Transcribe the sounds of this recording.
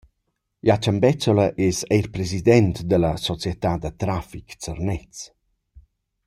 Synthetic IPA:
jat͡ʃəmbɛt͡sɔləʔesɛjrpɾezid̪ɛnt̪d̪ələsɔt͡sjɛt̪ad̪ət̪ɾafikt͡sərnɛt͡s

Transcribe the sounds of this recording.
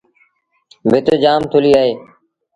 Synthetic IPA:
bʱɪt̪əːd͡ʒaːmt̪ʰʊliːaːɦeː

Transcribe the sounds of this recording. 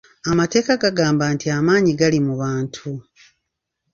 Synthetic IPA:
amate̞ːkaɡaɡaːmbaːntiamaːɲiɡalimuβaːntʰu

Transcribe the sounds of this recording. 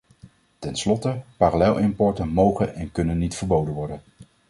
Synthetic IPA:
tɛnslɔtəpaːralɛlˠʔɪmpɔɹtənmowχənɛnkɵnənːitfəɹbowdənʋɔɹdən

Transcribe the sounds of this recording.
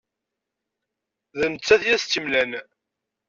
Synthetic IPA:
ðənət͡sːæθjæst̪ːimlæn

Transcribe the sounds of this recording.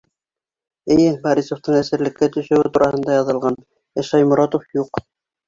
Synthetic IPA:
ɘ̆jɘbɑɾisŏft̪ɤɴæsɘ̆ɾlɘ̆kːæt̪ɵ̆ʃɵ̆wɘt̪uɾʔɑhɤ̆nd̪ɑjɑðɤ̆lˠʁɑn | ɘ̆ʃɑjmŏɾɑt̪ofjuq

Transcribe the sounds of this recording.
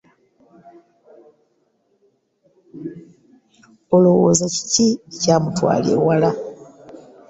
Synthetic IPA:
olowo̰zaci̥cicaːmutwa̰ːlḭwala

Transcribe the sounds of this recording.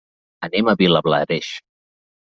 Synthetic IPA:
əneməβiləβla̰ɾeʃ

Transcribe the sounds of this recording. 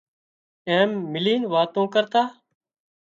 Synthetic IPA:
eːmːɪliːnʋaːt̪õːkəɾt̪aː

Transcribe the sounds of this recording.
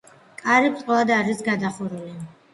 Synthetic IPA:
kʼaɾipʰt̪ʼqʼɔlad̪aɾisɡad̪aχuɾuli

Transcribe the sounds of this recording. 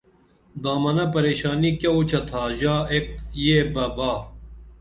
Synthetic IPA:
d̪aːmɐnapɐɾeːʃaːnikjaot͡ɕʰɐt̪ʰaːʑaːek̚jeːbɐbaː

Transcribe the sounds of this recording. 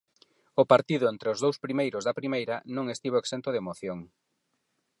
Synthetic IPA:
ʊpaɾt̪iðʊent̪ɾeozðowspɾimejɾʊzðɐpɾimejɾɐnõŋest̪iβ̞oeksent̪ʊðemoθjoŋ

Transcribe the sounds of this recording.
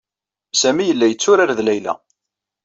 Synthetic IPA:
sæmijəlːæjət͡sːʊɾaɾðlæjlæ̰

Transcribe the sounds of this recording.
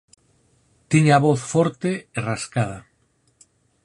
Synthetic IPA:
t̪iɲaβoθfoɾt̪eeraskaða

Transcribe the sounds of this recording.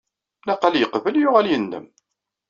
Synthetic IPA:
næqːəljəqvəljʊʁæljənːə̰m

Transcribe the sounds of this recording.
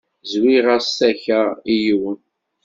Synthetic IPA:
zwiʁasːæçæijwən

